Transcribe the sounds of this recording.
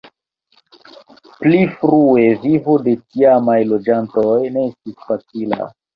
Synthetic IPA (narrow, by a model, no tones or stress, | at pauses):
plifɾue̞vivode̞tiamajlo̞d͡ʒantojne̞estisfat͡sila̰